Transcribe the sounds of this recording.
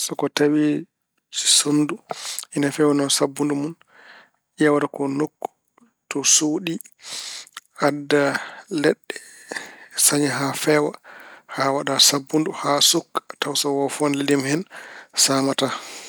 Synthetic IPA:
sɔkɔtawi̥ | sonːduʔinafɛwanɔnsabːundumun | ijawadakɔnokː | tɔsoːɗi | adːalɛɗːɛ | saɲaɦafɛːwahawaɗasabːunduhasukːtawsawɔfuanlɛdimhɛnsaːmata

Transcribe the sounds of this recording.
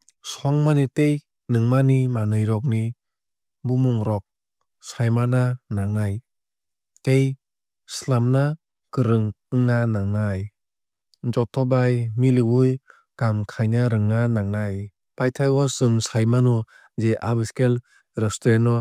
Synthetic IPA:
sɔŋmanitej | nɯŋmanimanɯjɾɔk̬̚ni | bumuŋɾɔk̚ | sajmananaŋnaj | tej | slamna | kɯɾɯŋɯŋnanaŋnaj | d͡ʒɔtʰɔbajmilibɯj | ɡ̥amkʰajnaɾɯŋːanaŋnaj | pajtʰajwɔsɯŋsajmanɔ | zeʔabɯskel | ɾɯstɾenɔ

